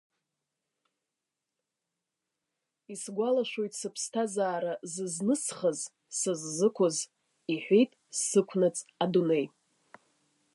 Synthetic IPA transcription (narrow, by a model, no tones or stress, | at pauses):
isɡʷalaʃo̞jtʼsɨpʰstʰazaːɾazɨznɨsχəz | sɨzːɨkʷʰʊz | iħʷᶣejtʼsɨkʷʰnɨt͡sʼadune̞j